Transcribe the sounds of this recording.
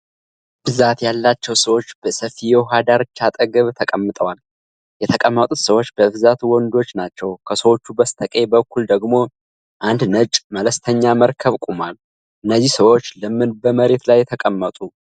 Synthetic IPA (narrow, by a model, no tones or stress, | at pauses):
b̥ɨzat̪jalːat͡ʃːɛwsəwo̞t͡ʃːb̥əsəfijɛɦad̪aɾɨt͡ʃːat̪ʼəɡəβt̪ʰəkʼəmːɨt̪ʼəwal | jɛt̪ʰəkʼəmːət̪ʼut̪səwo̞t͡ʃːbəβɨzat̪ʰuwɔnd̪o̞t͡ʃːnat͡ʃːɛwkʰəsəwo̞t͡ʃːubəst̪ʰəkʼe̞bəkʰːuld̪əɡmo̞ | ʔand̪nət͡ʃʼmələst̪ʰəɲːaməɾkʰəβkʼumal | ʔɨnːəzːihsəwo̞t͡ʃːlɨmːɨnbəməɾe̞t̪lajːɛt̪ʰəkʼəmːət̪ʼu